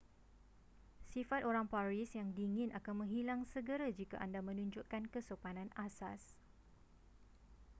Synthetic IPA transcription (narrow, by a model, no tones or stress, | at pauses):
sifat̪̚oɾaŋpaɾisjaŋdiːŋɪ̃nʔakanmə̃ŋɦilaŋsəɡəɾad͡ʒika̰ʔandamə̃nũɲd͡ʒuʔkankəsopanãnasas